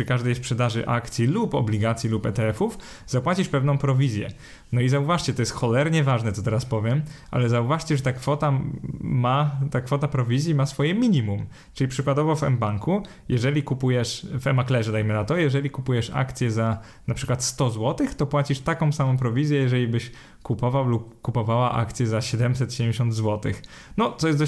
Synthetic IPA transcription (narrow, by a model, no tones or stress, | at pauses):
ɘkaʐd̪ɛjspʂɛd̪aʐɘ̰ʔa̰kt̪sʲjilupɔ̰blʲiɡat̪sʲjilupɛt̪ɛɛfuf | zapwat͡ɕiʂpɛvn̪ɔ̃w̃pɾɔvʲizʲjɛ̰ | nɔizauvaʂt͡ɕɛt̪ɔjɛst̪xɔlɛɾɲɛvaʐnɛt̪ɔt̪ɛɾaspɔvʲjɛmʔa̰lɛzauvaʂt͡ɕɛʐɛt̪akfɔt̪amat̪akfɔt̪apɾɔvʲizʲjimasfɔjɛmʲiɲimum | t͡ʂɘlʲipʂɘkwad̪ɔvɔvɛ̰mbaŋku | jɛʐɛlʲikupujɛʂvɛmaklɛʐɛd̪ajmɘnat̪ɔjɛʐɛlʲikupujɛʂa̰kt̪sʲjɛza | napʂɘ̥kwat̪st̪ɔzwɔt̪ɘxt̪ɔpwat͡ɕiʂt̪akɔ̃w̃samɔ̃w̃pɾɔvʲizʲjɛjɛʐɛlʲibɘɕ | kupɔvawlupːupɔvawaʔa̰kt̪sʲjɛzaɕɛd̪ɛmsɛt̪ɕɛd̪ɛmʲd͡ʑeɕ̬ɔ̃nd̪zwɔt̪ɘ̰x | nɔt̪sɔjɛsd̪